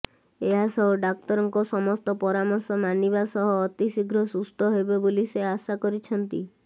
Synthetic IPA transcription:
eɦasɔɦɔɖak̚t̪ɔɾɔŋkɔsɔmɔst̪ɔpɔɾamɔɾsɔmanibasɔɦɔːt̪isiɡɾɔsust̪ʰɔɦebeboliseasakɔɾit͡ʃʰɔnt̪ḭ

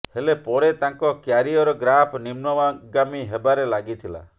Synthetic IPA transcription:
helepɔɾet̪aŋkɔkjaɾiɔɾɔɡɾapʰnimnɔaɡamiɦebaɾelaɡit̪ʰila̰

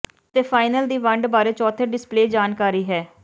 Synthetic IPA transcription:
t̪eːpʰaːɪnəld̪iːʋəɳɖbaːɾeːt͡ʃɔːt̪ʰeːɖɪspleːd͡ʒaːnkaːɾiːɦɛː

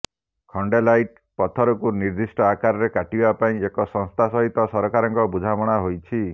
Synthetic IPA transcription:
kʰɔɳɖelajʈ̚ | pɔt̪ʰɔɾɔkuniɾd̪isʈɔakaɾɔɾekaʈibapaĩekɔsɔ̃ŋst̪ʰasɔɦit̪ɔsɔɾɔkaɾɔŋkɔbud͡ʒʱamɔɽ̃aɦojt͡ʃʰi

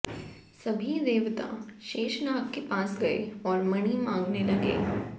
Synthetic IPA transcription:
sɐbʱid̪eːʋt̪ã̰ʃeːʃnaːkkepãːsɡɐḛɔːɾmɐɽ̃imãːŋɡnelɐɡḛː

